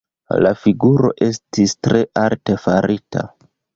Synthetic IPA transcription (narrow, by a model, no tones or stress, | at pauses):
la̰fiɡuɾo̞̰ʔe̞stistɾe̞ʔalte̞faɾʔitʰa̰